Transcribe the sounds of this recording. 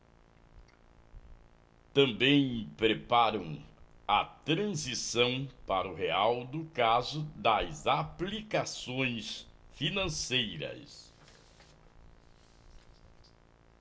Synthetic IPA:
t̪ɐ̃mbẽj̃pɾepaɾɐ̃w̃ | ɐt̪ɾɐ̃zisɐ̃w̃paɾɐʊheawd̪ʊkazʊd̪ɐzaplikasõj̃sfinɐ̃sejɾɐ̰ss

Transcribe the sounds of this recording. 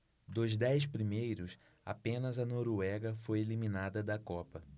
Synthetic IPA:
d̪ʊzd̪ɛjs̬pɾimejɾʊs | a̰pẽnɐzɐnoɾuɛɡɐfojeliminad̪ɐd̪ɐkɔpɐ

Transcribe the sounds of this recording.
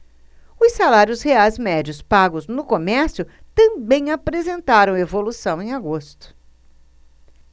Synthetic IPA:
ʊsːalaɾjʊsheajzmɛd͡ʒiʊspaɡʊznʊkomɛɾsjʊt̪ɐ̃bẽj̃apɾezẽnt̪aɾɐ̃w̃evolusɐ̃w̃ẽj̃aɡost̪ʊ̥

